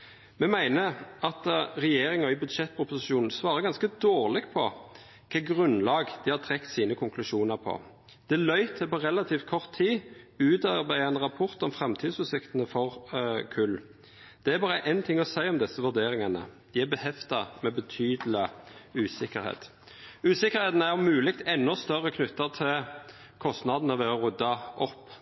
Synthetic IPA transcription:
mɛmæɪnəɑt̪ʁɛjeːɾɪŋɑɪbʉd̪ʃɛt̪ːpʰʊpʊsɪʃuːnn̩sʋɑːɾəɡɑnskəd̪oːʁlɪɡpʰɔ | kʰɑːɡʁʉnlɑːɡd̪̥ɪhɑt̪ʰɾɛkt̪siːnəkʰʊŋklʉʂuːnəɾpʰɔ̰ | d̪̥ɛlœʏt̪ʰəpɔʁɛlɑt̪ʰiːft̪kʰɔʁt̪ʰːiːʉːt̪ɑɾbæɪəɛnʁɑpʰɔʁt̪ɔmfɾɛmt̪ʰiːd̪sʉːsɪkt̪ənəfɔʁkʰʉl | d̪̥ɛæɾbɑːʁəʔɛnt̪ʰɪŋːɔsæɪɔmd̪ɛsːəʋʉd̪eːɾɪŋɑnə̰d̪̥ɪæbɛhɛft̪ɑmɛbət̪ʰyːd̪əl̩ɪʉːsɪkːəɾhḛːt̪ | ʉːsɪkːəʁɾheːt̪n̩æɔmʉːlɪkt̪ɛnːɔst̪œʁːəkʰnʉt̪ːəʁt̪ʰɪl | kʰɔst̪nɑd̪nəʋeːɔʁʉd̪ːɑʔɔpː

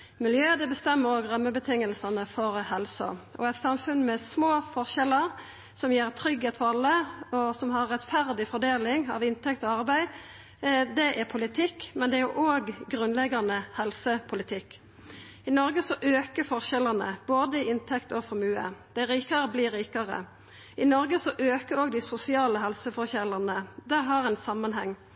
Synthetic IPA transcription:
mɪljøːd̪ɛbəst̪ɛmːəɾoːɡɾœmːəbət̪ʰɪŋːəlsɑnəfɔɾhɛlsɔ̰ʔɔ̰ɛt̪sɑmfʉnmɛsmoːfɔɾʃɛləɾ | sɔmjeːɾt̪ʰɾʏɡheːt̪fɔɑlːəɔsɔmhɑɾːɛt̪fæɾd̪ɪfɔɾd̪eːlɪŋɑ̰ʋɪnt̪ɛkt̪ɔɑɾbæɪ | d̪ɛʔæɾpʰʊlɪt̪ʰɪkːmɛnd̪ɛæɾjʊʔoːɡɡɾʉnlɛɡɑnəhɛlsəpʰʊlɪt̪ʰɪkː | ɪnɔɾɡəsɔʔøːkəfɔɾçɛlənə̰boːd̪əɪɪnt̪ʰɛkt̪ɔfɔɾmʉːə̰d̪̥æɪɾiːkɑɾəbliːɾiːkɑɾə̰ | ɪnɔɾɡəsɔʔøːkəɾɔːɡd̪æɪsʊsɪɑːləɦɛlsəfɔçɛləʁnəd̪æɦɑʁɛnsɑmːənhɛŋː

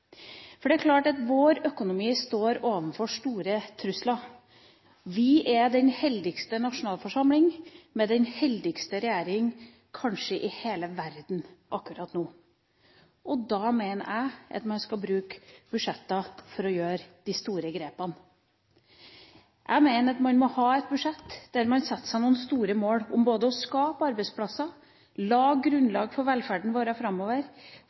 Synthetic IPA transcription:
fɔɖɛæɾkʰlɑːʈɑt̪ʋoːɾœkʊnʊmiːst̪oːɾoːʋənfɔʂt̪uːɾət̪ʰɾʉslɑ | ʋɪʔɛd̪ɛnhɛld̪ɪɡst̪ənɑʂʊnɑːlfɔʂɑmlɪŋmɛd̪ɛnhɛld̪ɪɡst̪əɾɛjæːɾɪŋ | kʰɑnʂəʔɪheːləʋæɾd̪n̩ʔɑkːʉɾɑːt̪nuː | ɔd̪ɑːmeɪnə̰ɾæ̰ɪʔɑ̰t̪mɑnskɑbɾʉːkbʉʂɛt̪ːɑfɔɾɔjøːɾd̪̥ɪst̪uːɾəɡɾeːpɑn | ʔæɡmeɪnət̪mɑnmɔhɑːɛt̪̚bʉʂɛt̪ːd̪̥æɾmɑnsɛt̪ːəsæɪnuːn̩st̪uːɾəmoːlʊmboːd̪əɔskɑːpɑɾbæɪspʰlɑsɑ | lɑːɡɾʉnlɑːɡfɔɾʋɛlfæɖɳ̩ʋoːɾɑfɾɑmːoːʋəɾ

